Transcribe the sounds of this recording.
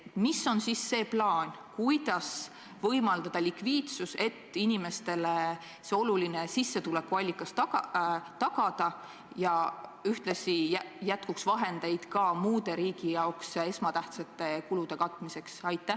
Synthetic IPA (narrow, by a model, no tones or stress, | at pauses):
miso̞nsisːe̞ːplɑːnʲ | kujd̪̥ɑs | vɤ̞jmɑld̪̥ɑd̪̥ɑlikviːt̪suse̞t̪ːinime̞st̪e̞le | se̞o̞luline̞sisːe̞t̪ulekːuɑlʲːikːˑɑst̪ɑɑt̪ɑɡ̥ɑd̪̥ɑ | jɑyht̪lesiæjæt̪kuksvɑɦe̞nd̪ejd̪̥kɑmuːd̪̥e̞ɾiːɡ̥ijɑokse̞smɑt̪æht̪sɑt̪ːˑe̞kulud̪̥e̞kɑt̪ːˑmise̞ksɑjt̪ːˑæh